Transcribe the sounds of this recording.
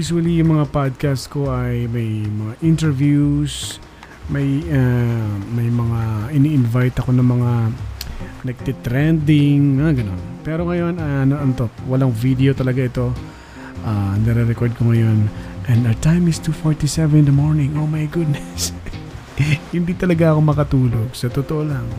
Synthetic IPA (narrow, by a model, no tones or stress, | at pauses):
jusuwɐlijʊŋmɐŋapad̪̚kast̪ko̞ʔɐjmɐjmɐŋaʔint̪ɛɹvjus | mɐjamɐjmɐŋaʔɪniʔɪnvajt̪ɐko̞nɐŋmɐŋa | nɐɡ̚t̪ɛt̪ɾɛnd̪ɪŋnɐŋaɡɐno̞̰npɛːɾo̞ŋɐjo̞nanoʔɐnt̪opwɐlaŋvid̪ɛot̪ɐlɐɡaʔɪt̪o̞ | ʔanɛɾɛɾɛkoɹd̪̚koŋɐjo̞nʔɛ̃nd̪ɐt̪ajmɪst̪ufoɹt̪isɛvɛnnd̪ɐmoɹnɪ̃ŋʔomajɡʊd̪̚nɛs | hɪnd̪it̪ɐlɐɡaʔɐko̞mɐkɐt̪uːlo̞ɡsɐt̪ot̪oʔolaŋ